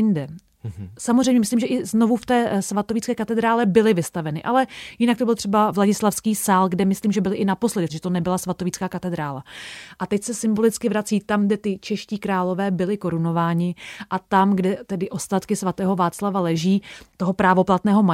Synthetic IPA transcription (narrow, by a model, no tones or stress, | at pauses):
ɪndɛ | samozrɛjmɲɛmɪsliːmʒɛʔɪznovuft̪ɛːsvat̪ovit͡skɛːkat̪ɛd̪ɾaːlɛbɪlɪvɪst̪avɛnɪʔalɛjɪnakt̪obɪlt̪r̥ɛbavlaɟɪslafskiːsaːlɡdɛmɪsliːmʒɛbɪlɪʔɪnapo̞slɛdɪtt̪ʒɛt̪onɛbɪlasvat̪o̞vit͡skaːkat̪ɛd̪ɾaːlaʔat̪ɛcsɛsɪmbo̞lɪt͡skɪvɾat͡siːt̪amɡdɛt̪ɪt͡ʃɛʃciːkɾaːlo̞vɛːbɪlɪko̞ɾuno̞vaːɲɪʔat̪amɡdɛt̪ɛdɪʔo̞st̪at̪kɪsvat̪ɛːɦo̞vaːt͡slavalɛʒiːt̪o̞ɦopɾaːvo̞plat̪nɛːɦo̞ma